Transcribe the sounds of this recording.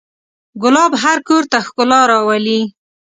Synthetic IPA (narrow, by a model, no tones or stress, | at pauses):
ɡʊlɑbɦaɾkoɾt̪axkʊlɑɾɑwali